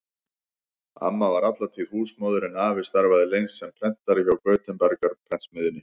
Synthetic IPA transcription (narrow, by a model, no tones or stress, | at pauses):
a̰mːavaɾat̪lat̪ʰihuːsmɔːwðʏɾɪnaːvɪ̥st̪aɾvaðɪlejnsːɛmpʰɾɛn̥t̪aɾɪçawkœːɥt̪ʏmpɛɾkaɾpʰɾɛn̥smɪðɪnːɪ